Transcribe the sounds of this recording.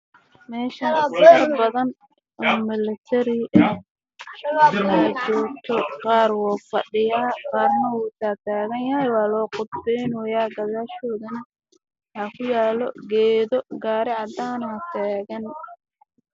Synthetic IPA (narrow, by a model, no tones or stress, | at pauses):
mɛːʃɐnɐrbɐðɐn | ʔɔːmɪlɛt̪ʰɛɾɪʔɐ | aːt͡ʃɔːɡt̪ʰɔqɑːrwɔːfɑɗɪjaːqɑːrnɐwuːt̪ʰaːt̪ʰaːɣɐnjɐhɛjwɑːlɔːqʊd̪bɛjnɔjaːɡɐðaːʃɔːðɐnɐ | ɐkʰʊjaːlɔɡɛːðɔɡaːɾɪʕɑd̪aːnɐt̪ʰaːɣɐn